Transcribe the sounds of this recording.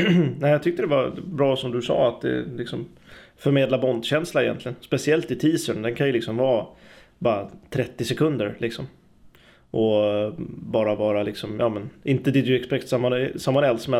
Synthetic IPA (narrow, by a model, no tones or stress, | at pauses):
næɪjɑɡt̪ʰʏk̚t̪əd̪ɛvaɾbɾɑːsɔmd̪ɵsɑ̰ːat̪̚d̪ɛ̰lɪksɔm | fœɾmeːd̪labɔnd̪ɕɛnslaɪjɛ̰nt̪lɪɡənspɛsɪɛlt̪ɪt̪ʰiːsəɳd̪ɛnkʰanjɵlɪksɔmvɑːbɑːɾat̪ʰɾɛt̪ːɪsɛkʰɵnd̪əɾlʔɪksɔm | ʔɔ | bɑːɾavɑːɾalɪksɔmjɑːmɛnɪnt̪əd̪ɪd̪ʉɛkspɾɛkt̪samːasamːanɛlsmɛ